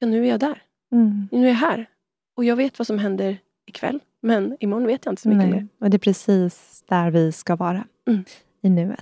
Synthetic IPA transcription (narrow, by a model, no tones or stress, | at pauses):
jɑnʉ̟ːæɾjɑːd̪æɾ | nʉ̟ːæɾɦæːɾ | ɔjɑːɡveːt̪vasɔmɦɛnd̪əɾ | ɪkʰvɛ̰lː | mɛnɪmɔɳveːt̪jaɪnt̪əsɔɔmʏkːmeːɔd̪ɛpʰɾɛsiːs | d̪̥æɾvɪskavɑːɾa | ɪnʉ̟ːḛt̪